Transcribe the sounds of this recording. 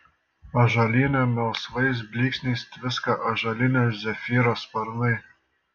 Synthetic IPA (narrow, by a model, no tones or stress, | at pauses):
ɐʒɐlʲinʲɛmʲɛlˠsʋɐɪs̬bʲlʲiːksʲnʲiːst̪ʲʋʲɪskɑʔɐʒɐlʲinʲɛzʲɛfʲiːɾɐspɐɾnɨj